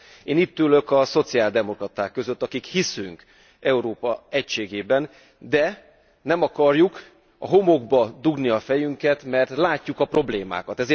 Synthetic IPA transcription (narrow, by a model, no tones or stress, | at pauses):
eːniːt̪ːylø̞kɒso̞t̪siaːld̪ɛmo̞krɒt̪aːkːø̞zøt̪ːɒkikhisyŋk | ɛuɾoːpɒɛcʃeːɡeːbɛn | d̪ɛ | nɛmɒkɒrjuk | ɒ̰ɦo̞mo̞ɡbɒd̪uɡniɒfɛjyŋkɛt̪mɛrt̪laːcːukɒpro̞bleːma̰ːkɒt̪ɛzeː